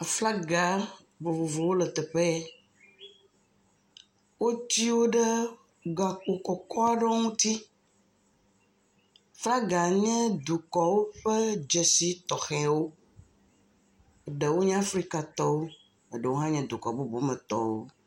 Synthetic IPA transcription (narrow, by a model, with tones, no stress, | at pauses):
a˨fla˦ɡa˨ | bo˨vo˨vo˨wo˦lə˨t̪ɛ˨ɸɛ˦ | wo˦t͡ɕi˦wo˦ɖe˦ | ɡa˨k͡po˨kɔ˨kɔ˦a˦ɖɔ˦ŋũ˦t̪i˦˨ | fla˦ɡa˨ɲɛ̃˦d̪u˨kɔ˨wo˦ɸe˦d͡ʒe˨si˦t̪ɔ˨xɛ˨wo˦ | e˨ɖe˨wo˦ɲɛ̃˦a˦fɾi˦ka˨t̪ɔ˦wo˦ | e˨ɖə˨wo˦ɦã˦ɲɛ̃˦d̪u˨kɔ˨bo˨bo˨˦mɛ̃˨t̪ɔ̰˨wo̰˦